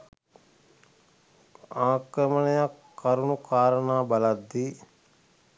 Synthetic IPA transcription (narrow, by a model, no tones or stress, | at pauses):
aːkɾəmənejakːaɾunukaːɾənaːbɐlad̪ːi